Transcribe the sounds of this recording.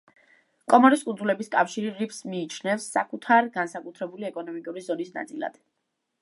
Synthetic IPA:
kʼɔmɔɾiskʼund̪zulɛbiskʼafʃiɾiɾipsmiːt͡ʃʰnɛfsːa̰kʼut̪ʰaɾɡansakʼut̪ʰɾɛbuliɛkʼɔnɔmikʼuɾizɔnisna̰t̪sʼilˠa̰d̪̥

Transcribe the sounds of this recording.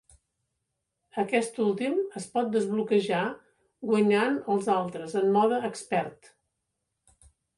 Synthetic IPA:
əkɛst̪ulˠt̪iməspɔt̪̚d̪əzβlukəʒa | ɡwəɲanəlˠzalˠt̪ɾəzəmːɔðəːkspɛɾt̪

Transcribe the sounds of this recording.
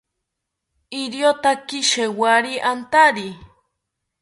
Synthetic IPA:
iɾjot̪akiʃewaɾiʔant̪aɾi

